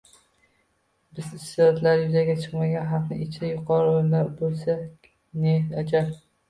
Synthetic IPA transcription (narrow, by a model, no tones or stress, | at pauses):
bɪzɪsːɪɾɒt̪ʰlaɾɪjʊzaɡʲat͡ʃʰɨqmaɡʲanɦɑqnɪɪt͡ʃʰɪd̪ajʊqʰɒɾɪojlaɾbolˠsakʲ | nehnad͡ʒap